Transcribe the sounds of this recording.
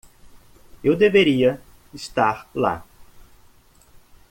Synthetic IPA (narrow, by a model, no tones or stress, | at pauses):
ewd̪eveɾiɐ | ɪst̪aɾla̰